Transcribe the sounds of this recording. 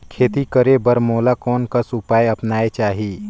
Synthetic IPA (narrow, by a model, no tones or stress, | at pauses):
kʰeːt̪ikəɾebəɾmoːlakɔːnkasʊpaːjɐpnaːet͡ʃaːɦiː